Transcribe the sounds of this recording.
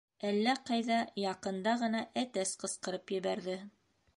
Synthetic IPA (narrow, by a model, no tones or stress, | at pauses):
ælːæqɑjðɑjɑqɤ̆nd̪ɑʁɤ̆nɑʔæt̪æsqɤ̆sqɤ̆ɾɤpjɘ̆βæɾðɘ